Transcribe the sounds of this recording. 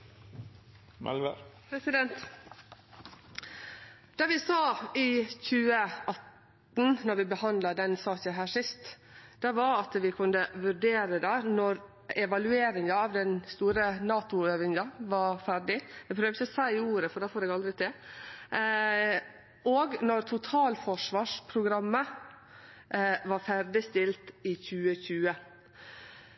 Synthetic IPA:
mɛ̰lʋə̰pʰɾɛsɪd̪ɛnt̪ | d̪̥ɑʋɪsɑːɪçʉːəɑt̪ | nnɔɾʋɪbəhɑnd̪lɑd̪ɛnsɑːkəɦæːʂɪst̪ | d̪̥ɑʋɑɾɑt̪ʋɪkʰʉnːəʋʉɾɖeːɾəd̪æːnɔɾ | ɛʋɑlʉeːɾɪŋɑɑʋd̪ɛnst̪uːɾənɑːt̪ʊøːʋɪŋɑʋɑɾfæɾɖɪɛpʰɾøːʋɪçəɔsæɪuːɾəfɔɖɛːfoːɾɛːɡɑld̪ɾɪt̪ʰɪl | oːɡnɔɾt̪ʰʊt̪ʰɑːlfɔʂʋɑːʂpʰɾʊɡɾɑmːə | ʋɑɾfæɾɖɪst̪ɪlt̪ɪçʉːəçʉːə

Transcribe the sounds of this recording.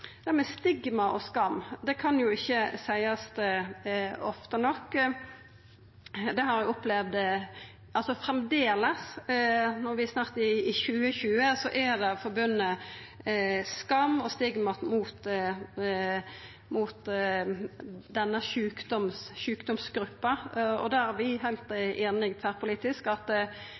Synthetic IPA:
d̪̥æmɛst̪ɪɡmɑʔɔskɑmːd̪ɛkʰɑnjʊɪçːəsæɪɑst̪ | ɔft̪ənɔkː | d̪ɛhɑɾjæɔplɛʋd̪ | ʔɑlsɔfɾɛmd̪eːləs | nɔɾʋɪsnɑʁt̪ɪːçʉːəçʉːəsɔʔæd̪ɛfɔɾbʉnːə | skɑmːɔst̪ɪɡmɑt̪muːt̪ | muːt̪ | d̪ɛnːəʃʉːkd̪ɔmsʃʉːkd̪ɔmsɡɾʉpːɑɔ̰d̪æːæʋɪɦæɪlt̪eːnɪɡt̪ʰæːɾpʊliːt̪ɪskɑt̪ː

